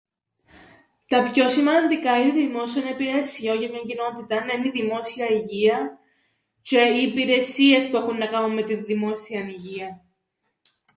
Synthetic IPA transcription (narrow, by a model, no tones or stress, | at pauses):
t̪ɐpço̞simɐnd̪ikɐineðimo̞sionɐipiɾesio̞ʝɐmɲɐɲɟino̞t̪it̪ɐnɐniðimo̞siɐiʝiɐ | ceiːpiɾe̞sie̞spue̞xunːɐkɐnunme̞t̪iðimo̞siɐniʝiɐ